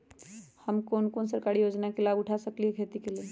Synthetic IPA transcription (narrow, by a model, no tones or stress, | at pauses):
həmkonkoːnsəɾkaɾijod͡ʒnakelaɡʊʈʰasəkliɦekʰet̪ikele